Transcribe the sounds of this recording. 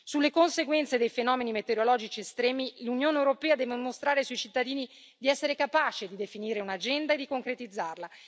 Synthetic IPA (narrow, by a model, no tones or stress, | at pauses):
sulːekonseɡwɛnt̪sed̪ejfenɔːmenimet̪eɾolɔːd͡ʒit͡ʃiest̪ɾɛːmilunjoːnewɾopɛːad̪ɛːvemost̪ɾaːɾesuit͡ʃit̪ːad̪iːni | d̪iɛsːeɾekapaːt͡ʃed̪id̪efiniːɾeunad͡ʒɛnd̪aed̪ːikoŋkɾet̪id̪zːarla